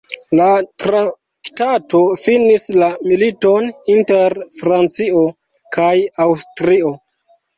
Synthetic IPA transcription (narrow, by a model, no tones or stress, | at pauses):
latɾa | ktato̞finislamilito̞ninteɾfɾant͡sio | kʰajawstɾio̞